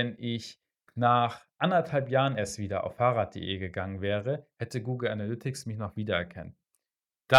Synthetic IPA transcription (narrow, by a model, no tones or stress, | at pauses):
ɛnʔɪç | naːχʔandɐthalpjaːʁənɛɐstv̥iːdɐʔa̰ʊfːaːʁaːt̚d̥ḛːʔeːɡəɡaŋənvɛːʁ̞əhɛtəɡuːɡl̩analʏtʰɪksmɪçnɔχv̥iːdɐɛɐkʰa̰nt | d̥a